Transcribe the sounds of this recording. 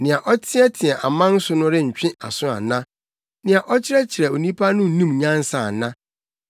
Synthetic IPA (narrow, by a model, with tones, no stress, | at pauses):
nɪ̃˨a˨ʔɔ˦tʰɪ˦ɛ˦tʰɪ˨ɛ˨ʔa˨mã˦n̩˦sʊ˦nʊ̃˦ɾɪ˦ɲ̩˨t͡ɕᶣɪ̃˦ʔa̰˨sʊ̃˦a̰˨nã˦ | nɪ̃˨a˨ʔɔ˦t͡ɕʰɪ˦ɾɛ˦t͡ɕʰɪ˨ɾɛ˨o˨nĩ˦pʰa˦nʊ̃˦n̩˦nũ˦mɲã˦n˦sa˨nã˦